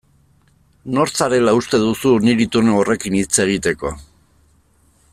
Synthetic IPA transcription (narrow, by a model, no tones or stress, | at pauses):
no̞ɾt͡saɾe̞laust̪e̞ðusuniɾit̪uneore̞kinit͡se̞ɣ̞it̪e̞ko̞